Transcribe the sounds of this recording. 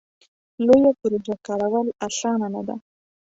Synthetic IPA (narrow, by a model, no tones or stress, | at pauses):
lojapʊɾd͡ʒakɑɾawəlasɑnanad̪a̰